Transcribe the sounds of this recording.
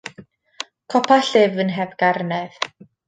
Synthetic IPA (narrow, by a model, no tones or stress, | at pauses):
kʰɔpʰaɬɪvənɦɛvɡ̥arnɛð̥